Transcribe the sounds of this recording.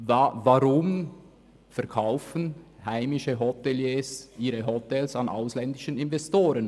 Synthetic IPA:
vavaʁʊm | fɛɐʁkʰaʊfən̩haɪmɪʃəɦɔtɛljeːsʔiːʁəɦɔtɛlsɑnʔa̰ʊslɛndɪʃənɪnvɛstoːɾən

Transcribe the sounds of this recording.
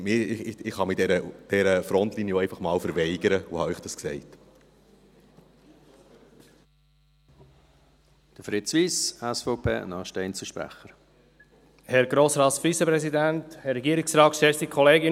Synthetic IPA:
mɪːɪχhɑmid̥ɛɾəd̥ɛɾəfɾɔnt̪liːnjɔɛɪfɑχmɑːlfəɾvɛɪɡ̥əɾəohɑiχd̥ɑsksɛɪt | d̥əfɾɪt͡sʋiːsɛsfɔʊpʰḛːnɑːʃtɛɪnt͡səʃpɾæ̰χəɾ | hɛɾɡɾoːsɾɑːt̪sfɾisəpɾɛsidænthɛɾɛɡiəɾɪksɾɑːtʃtɛstikʰɔleːɡɪ

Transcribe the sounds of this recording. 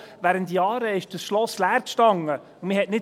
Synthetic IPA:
væːɾəntːjɑːɾəɪʃd̥əsʃlɔslæːɾkʃtɑŋːə | ʊmɪhɛtnɪ

